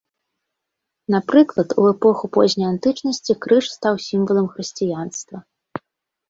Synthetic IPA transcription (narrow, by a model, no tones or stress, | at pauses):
napɾɨklˠɐt̪ʰuɛpɔxupɔ̰zʲnʲɐjant̪ɨt͡ʂnɐsʲt͡sʲikɾɨʂst̪awsʲimvɐlˠɐmxɾɨsʲt͡sʲijanst̪vɐ